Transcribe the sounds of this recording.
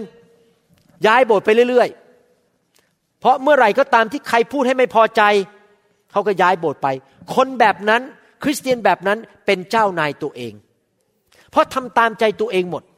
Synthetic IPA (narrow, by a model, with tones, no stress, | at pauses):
n | jaː˦˥jboː˨˩t̪̚pa˧jɾɯ˥˩˨ɾɯ˥˩əj | pʰɾɔ˦˥mɯ˥˩ɐɾa˨˧˩jkɔː˥˩t̪aː˧mt̪ʰiː˥˩kʰa˧jpʰuː˥˩t̚ha˥˩jma˥˩jpʰɔː˧t͡ɕa˧j | kʰa˦˥wkɔː˥˩jaː˦˥jboː˨˩t̪̚pa˧j | kʰo˧nbɛː˨˩p̚na˦˥n | kʰɾi˦˥st̪i˧ənbɛː˨˩p̚na˦˥npe˧nt͡ɕaː˥˩wnaː˧jt̪u˧ɐəʔḛː˧ŋ | pʰɾɔ˦˥t̪ʰa˧mt̪aː˧mt͡ɕa˧jt̪u˧əʔeː˧ŋmo˨˩t̪̚